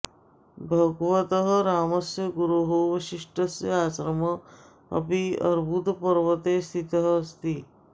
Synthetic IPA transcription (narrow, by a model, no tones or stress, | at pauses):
bʱɐɡʋɐt̪ɐɦɐ̆ɾaːmɐsjɐɡuɾuɦoʋɐʃiʂʈɐsjɐaːsɾɐmɐ | ɐ̰piɐ̰ɾbʱut̪pɐɾʋɐt̪eːst̪ʰit̪ɐɦəst̪i